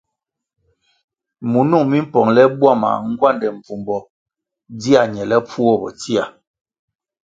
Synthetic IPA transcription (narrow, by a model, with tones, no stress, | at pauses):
mu˨nu˦˨ŋmi˦m̩˦pɔ˨ŋlɛ˦bwa˦˨ma̰˨ŋ̩˦ɡwa˦˨ndɛ˨m̩˨b͡vu˨mbɔ˨ | di˦a˨ɲɛ˨lɛ˦p͡fu˦ɔ˦bɔ̰˨ti˦a˨